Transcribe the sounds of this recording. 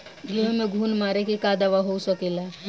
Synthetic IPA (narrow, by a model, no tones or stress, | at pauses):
ɡʱemẽɡʱuːnmaɾekekad̪aʋaɦosəkela